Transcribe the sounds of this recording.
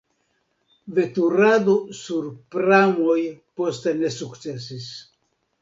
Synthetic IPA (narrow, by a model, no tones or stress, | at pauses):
ve̞tuɾad̪osuɾpɾamojpo̞st̪ene̞sukt͡se̞s̬is